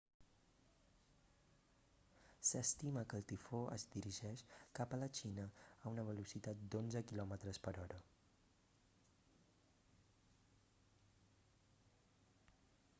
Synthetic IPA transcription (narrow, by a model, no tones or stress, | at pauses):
səst̪iməkəlˠt̪ifoʔə̰zd̪iɾiʒɛʃkapələt͡ʃinəːunəβəlusit̪at̪̚d̪onzəkilɔmət̪ɾəspəɾɔɾə